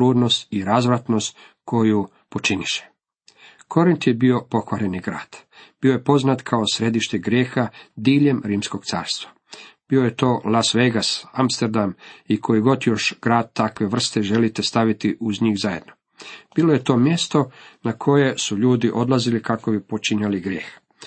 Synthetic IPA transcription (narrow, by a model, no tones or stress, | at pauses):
luːd̪no̞st̪iɾazʋɾat̪no̞st̪ | kʰo̞ju | po̞t͡ʃiniʃe̥ | kʰo̞ɾint̪je̞bio̞po̞xʋaɾe̞niɡɾa̰ːd̪̥b̥io̞je̞po̞znat̪kʰaosɾe̞d̪iʃt̪eɡɾjeːxad̪iːʎe̞mɾiːmsko̞ɡ̥t̪sa̰ːɾst̪ʋa | b̥io̞je̞t̪o̞ːlˠasʋejɡasamst̪eɾd̪amikʰo̞iɡo̞d̪jo̞ʃɡ̥ɾaːd̪̚t̪akʋe̞ʋr̩st̪e̞ʒe̞lit̪est̪aʋit̪iʔuzɲiːxzaje̞d̪no | b̥iːloje̞t̪o̞ːmje̞st̪o̞nakʰo̞je̞suʎuːd̪iʔo̞d̪lˠazilikakobipot͡ʃiɲaliɡɾjeːx